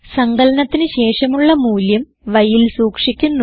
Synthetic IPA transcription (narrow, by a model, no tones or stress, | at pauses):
sɐŋɡɐlɐnɐt̪ːinɨɕe̞ːʂɐmuɭːɐmuːljɐm | ʋɐjilsuːkʂikʲːunːu